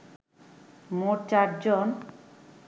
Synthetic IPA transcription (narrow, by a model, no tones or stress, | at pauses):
moʈt͡ɕaɾd͡ʑon